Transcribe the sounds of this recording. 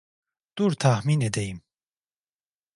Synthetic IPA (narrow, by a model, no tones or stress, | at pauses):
d̪̥uɾt̪ʰahmined̪eim